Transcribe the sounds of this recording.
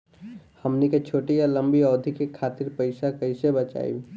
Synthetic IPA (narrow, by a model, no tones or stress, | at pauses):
həmniket͡ʃʰoːʈijaləmbiɔːd̪ʱikekʰaːt̪iɾpəɪsakəɪsebət͡ʃa̰ːḭ